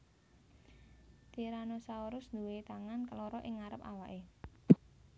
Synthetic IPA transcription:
t̪iɾanosaoɾʊsnd̪uwet̪aŋankəloɾɔʔɪŋaɾəpa̰waʔe

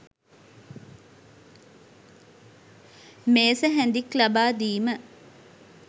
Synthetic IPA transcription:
meːsəɦænd̪iklabaːd̪iːmə

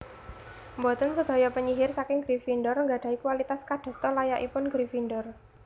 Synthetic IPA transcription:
mbɔt̪ənsəd̪̥ɔ̤jɔpəɲiɦɪrsakɪŋɡ̥ɾifinɖɔrŋɡaɖ̥ä̤ikwalit̪askaɖ̪̥ɔ̤st̪ɔlajaʔipʊnɡ̥ɾifinɖɔr

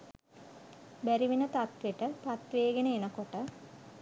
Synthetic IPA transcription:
bæɾiʋinət̪at̪ʋeʈəpat̪ʋeːɡenəenəkoʈə

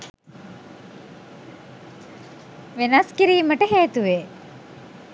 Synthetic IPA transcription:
ʋenɐskiɾiːməʈəɦeːt̪uʋeː

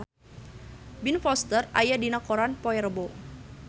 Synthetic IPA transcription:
binfɔst̪əra̰jadinakoɾanpɔɛrbo

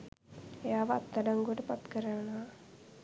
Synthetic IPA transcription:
ejaːʋəat̪ːaɖaŋɡuəʈəpat̪kəɾənnɐʋa

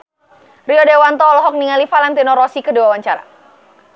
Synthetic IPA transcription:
riɔdewant̪ɔːlɔɦɔk̚niŋalifalant̪inɔɾɔsikəduawaɲt͡ʃaɾa̰

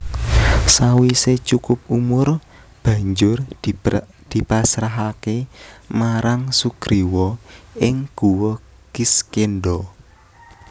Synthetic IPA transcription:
sawiset͡ʃukʊpumʊr | b̥ä̤ɲd͡ʒʊr | d̪̥i̤pasɾaɦakemaɾaŋsuɡ̥ɾiwɔɪŋɡ̥uwɔ | ɡ̥iskenɖɔ

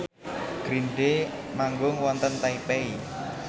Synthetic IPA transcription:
ɡ̥ɾiɳɖemaŋɡʊŋwɔnt̪ənt̪aipei

